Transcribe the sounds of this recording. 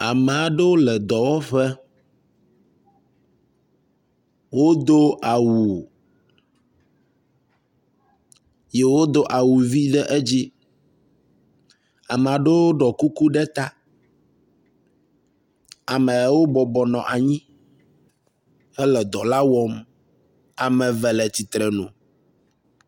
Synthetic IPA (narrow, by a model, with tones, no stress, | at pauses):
a˨mɛ˨a˨ɖe˦wo˦lɛ˨d̪ɔ˨wɔ˦ɸɛ˦ | wo˦d̪o˦a˨wu˨ | je˨wo˦d̪o˦ʔa˨wu˨vi˦ɖɛ˦ʔe˦d͡ʑi˦ | a˨m˨a˨ɖe˦wo˦ɖɔ˨ku˦ku˦ɖɛ˦t̪a˦ | a˨mɛ̃˨˦wo˦bɔ˨bɔ˨nɔ̰̃˨ʔa˨ɲĩ˦ | hɛ˦lɛ˨d̪ɔ˨la˦wɔ˦m | a˨mɛ̃˨vɛ˨lɛ˨t̪i˨t̪ɾɛ˨nṵ̃˨